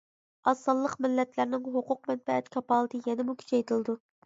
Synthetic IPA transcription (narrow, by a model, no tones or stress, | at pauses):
ɑsɑlˠːəqmɪlːɛt̪ʰlæɾnɪŋɦoqʊq̚mɛnfɛɛt̪kʲʰɑpɑːlˠɨt̪ʰɨjɛnɪmukʲʰy̥t͡ʃʰɛjt̪ʰɨlˠɨd̪u